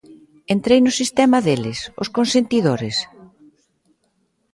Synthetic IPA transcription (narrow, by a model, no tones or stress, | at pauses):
ent̪ɾejnʊsist̪ɛmɐðelɪsʊ̰skonsent̪iðoɾɪs